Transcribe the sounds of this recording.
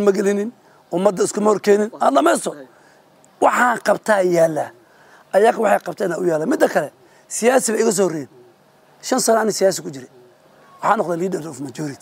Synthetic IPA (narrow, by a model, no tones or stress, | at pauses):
nmɐɡɛlɪnɪn | ʔʊmɐd̪ːɐɪskʰʊmɐhɔrkʰɛːnɪnaːd̪lɐmɛst̪ɔ | wɑħɑːqɑbt̪ʰaːjaːlːɐ | ʔɐjaːkwɑħɑjqɑb̚t̪ʰɛːnaʔʊjaːlɐmɪd̪ːɐkʰɐlɛ | sɪjaːsɪβɛjɪkɐs̬ɔːhɔrɛjɛːn | ʃɐnsɐnɐnɪsɪjaːs̬ɪkʊt͡ʃɪɾɛ | wɑħɑːnɔqd̪ɛːliːd̪ɐlɔfmɐt͡ʃɔːɾɪt̪ʰ